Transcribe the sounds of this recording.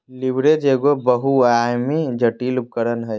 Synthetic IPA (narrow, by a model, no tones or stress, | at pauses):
libɾed͡ʒeːɡobəɦuajmid͡ʒəʈiːlup̚kəɾənɦɛj